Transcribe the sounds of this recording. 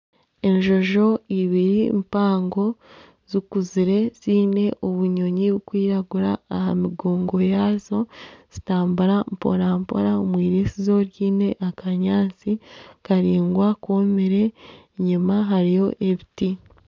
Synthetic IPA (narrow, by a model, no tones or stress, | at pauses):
e̞ɲʒo̞ʒo̞iβiɾimpaːŋɡo̞ | zikuziɾe̞z̥iːne̞ʔoβuɲo̞ɲiβukwiːɾaɡuɾaːɦamiɡoːŋɡo̞jaːzo̞z̥itaːmbuɾampo̰ɾampo̰ɾaomwiːɾiːsizo̞ɾjiːne̞ʔakʰaɲaːnt͡sikaɾiːŋɡwakomeɾe̞ | ɲimaɦaɾijo̞ʔe̞βiti